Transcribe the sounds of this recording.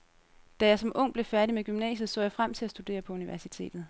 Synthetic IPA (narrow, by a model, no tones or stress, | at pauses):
d̥æjɑ̈ɪsɒ̽mʔɔ̽ŋ̰b̥le̝fæɐdimeɡ̥ymnɛ̰ːɕð̩ˠsɔ̰ːjɑ̈ɪfʁam̰t͡sʰe̝æsd̥ud̥e̝̰ːɐpʰɒ̽uniʋæɐsit͡sʰe̝̰ːd̥ð̩ˠ